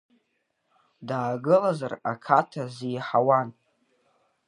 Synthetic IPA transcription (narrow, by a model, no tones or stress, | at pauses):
daːɡɨlazarakʰatʰazijħawan